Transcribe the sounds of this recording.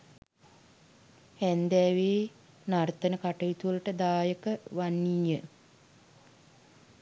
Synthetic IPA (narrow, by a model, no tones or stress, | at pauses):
hænd̪ɛːʋeː | nart̪ənəkaʈəjit̪uʋələʈəd̪aːjəkəʋanːijə